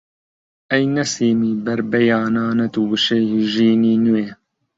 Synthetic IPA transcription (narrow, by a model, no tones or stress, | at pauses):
ɛjnɛseːmiːbɐɾbɛjaːnaːnɐt̪uːbɨʃɛjhiʒiːniːnuweː